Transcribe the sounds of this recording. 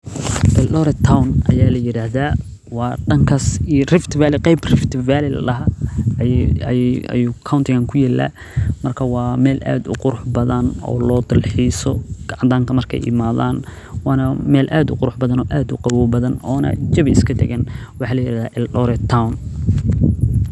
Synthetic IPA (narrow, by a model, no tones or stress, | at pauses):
ʔɪlɗɔːɾɛt̪ʰːawnʔɐ̰jaːlɐjɪɾaːhðaː | wɑːɖɐŋkʰɐsirɪft̪ʰvaːlɪqɛjbrɪft̪ɪvaːlɪl̰lɐɦɐ | juːkʰawnt̪ʰɪɣɐŋkʰʊjɛːlːa̰ː | mɐrkʰɐwɑːmɛːlʔa̰ːd̪ʊ̰qʊɾʊħbɐðɐnɔ̰ːlɔːd̪ɪlħiːsɔɡ̥ɑʕɑnt̪ʰaːŋkʰɐmɐrkʰɛ̰jʔɪ̰maːðaːn | wɑːnɐmɛːlʔaːd̪ʊ̰qʊɾʊħbɐðɐnɔːʔaːd̪ʊqɑwɔːbɐðɐnɔːnɐ̰t͡ʃɐβɪɪskʰɐd̪ɛ̰ɣɐnwɑħɑːlɐjɪɾaːhðaːʔɪlʔɔɾɛt̪ʰːawn